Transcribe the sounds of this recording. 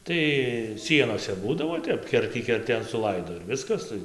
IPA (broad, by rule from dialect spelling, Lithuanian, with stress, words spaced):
ˈtɐɪ ˈsʲiɛnoːsʲɛ ˈbuːdɐʋoː ˈtʲɛp ˈkʲɛrʲtʲiː kʲɛrʲˈtʲeːn sʊˈlˠɐɪdoː ɪr ˈʋʲɪskɐs ˈtɐɪ